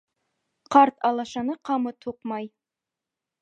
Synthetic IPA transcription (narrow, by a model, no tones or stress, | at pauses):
qɑɾt̪ɑlˠɑʃɑnɤqʰɑmɤt̪ʰuqmɑj